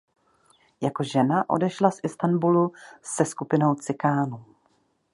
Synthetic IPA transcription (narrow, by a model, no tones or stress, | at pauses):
jako̞ʒɛnaʔo̞̰dɛʃlasʔɪst̪anbulusɛskupɪno̞wt͡sɪkaːnu